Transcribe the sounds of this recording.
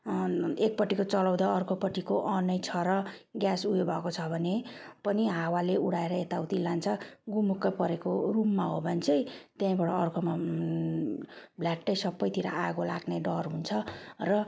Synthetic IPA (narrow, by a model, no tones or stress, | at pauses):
ek̚pʌʈːikot͡sʌlawd̪aʌrkʰopʌʈikoʔʌnʌjt͡sʰʌɾʌɡjasujebʱʌkot͡sʰʌbʱʌnepʌniɦawaleuɽaeɾʌet̪awt̪ilant͡sʰʌɡumːukːʌpʌɾekorumːaɦobʱʌnt͡sʰʌjt̪jãĩbaɽʌʌrkʰoma | blaʈːʌjsʌbːʌjt̪iɾa̰ʔaɡola̰ɡneɖʌrɦunt͡sʰʌrʌ